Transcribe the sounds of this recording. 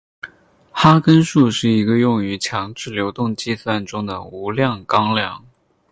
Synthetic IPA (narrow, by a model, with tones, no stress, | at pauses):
xa˥kə˥nʂu˥˧ʂɻ̩˥˩i˧˥ɡə˧jʊ˥˩ŋy˧˥t͡ɕʰjɑ˧˥ŋʈ͡ʂɻ̩˥˩ljo˧˥ʊt̪ʊ˥˩ŋt͡ɕi˥swa˥˩nʈ͡ʂʊ˥ŋd̪ə̰˨˩u˧˥ljɑ˥˩ŋkɑ˥ŋljɑ˥˩ŋ